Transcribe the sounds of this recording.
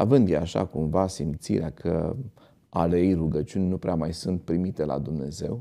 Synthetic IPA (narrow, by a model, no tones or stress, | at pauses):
avɨnd̪jeaʃa̰kumvasimt̪sḭɾeakʰə̰ | alejruɡət͡ʃiunʲnupɾeamajsunt̪̚pɾimit̪e̞la̰d̪umne̞ze̞̰w